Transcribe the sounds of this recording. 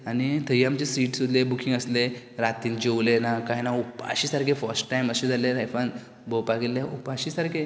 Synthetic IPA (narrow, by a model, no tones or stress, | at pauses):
anit̪ʰəɦiamt͡ɕesiːʈsud̪lebukʰĩŋɡəsle | ɾat̪iːnd͡ʑowlenakajnaupa̰ɕisaɾkʰefəɾsʈʈajməɕẽd͡zʱaleɾajfãn | bəpaɡelːaʔupaɕiːsaɾkʰe